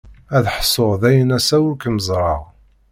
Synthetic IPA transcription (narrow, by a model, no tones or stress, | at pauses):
æðħsˤːoʁðæjənæsæwukəməzˤɾˤɑʁ